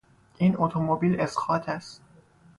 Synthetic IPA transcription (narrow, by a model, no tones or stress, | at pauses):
ʔiːnʔot̪ʰomobiːle̞sxɒːt̪ʰæst̪